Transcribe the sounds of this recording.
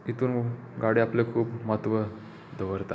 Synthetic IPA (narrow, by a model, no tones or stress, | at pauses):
it̪uːn | ɡaɽiaplekʰuːpmat̪ʋə | d̪ʱəʋəɾt̪a̰